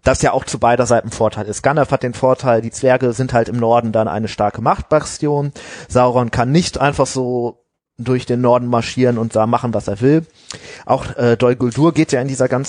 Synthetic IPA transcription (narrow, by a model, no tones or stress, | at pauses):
d̥asjaːʔaʊxt͡subaɪɾɐzaɪtn̩foːɐtʰaɪlɪstɡ̥anɛfhat̚d̥eːnfoːɐtʰaɪldiːt͡sv̥ɛɐɡəzɪnthaltɪmnɔɐdn̩danʔa̰ɪnəʃtaɐkəmaχt̚b̥at͡sjoːnz̥aʊʁɔnkʰanːɪçtʔaɪnfaχz̥oː | dʊɐçd̥eːnːɔɐdn̩maɐʃiːʁənʊnt̚d̥aːmaχn̩vasḛːɐvɪl | ʔaʊxʔɛːdɔʏɡʊlduːɐɡeːtjaːɪndiːzɐɡant͡s